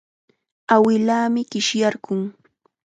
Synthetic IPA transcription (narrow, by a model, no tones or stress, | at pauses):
awɪlaːmɪkɪʃjaɾɢʊŋ